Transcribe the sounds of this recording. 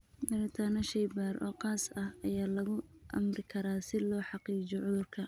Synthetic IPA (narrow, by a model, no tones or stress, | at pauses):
d̪ɐɾɪt̪ʰanɐʃɛjbaːrɔ̰ːqɑːsɐhɐjaːlɐɣʊʔɐ̰mrɪkʰɐɾaːsɪlɔːħɑqiːt͡ʃɔʕʊðʊrkʰɐ